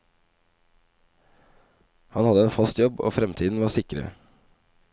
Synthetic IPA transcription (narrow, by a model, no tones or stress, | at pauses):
hɑnhɑd̪əeːnfɑst̪jɔbo̰ːfɾɛmt̪ʰiːd̪n̩ʋɑːsɪkɾə̰